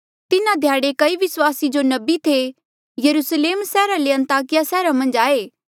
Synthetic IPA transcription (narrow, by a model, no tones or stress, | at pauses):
t̪ɪnãd̪ʱjaːɽekɐiʋɪswaːsid͡ʒonɐbit̪ʰe | jɐɾusleːmsɛːɾaleɐ̃nt̪aːkɪjasɛːɾamɐ̃nd͡ʒaːeː